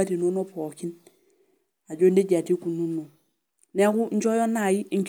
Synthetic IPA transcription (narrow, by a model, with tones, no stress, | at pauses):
a˦ti˨nu˦no˦po˨ki˦n | a˨ɟo˦ndi˦ɟa˨ti˦ku˨nu˦no˨ | ne˦ku˦ɲ̩˦t͡ʃo˦jo˦na˨ji˦ɲ˦t͡ʃ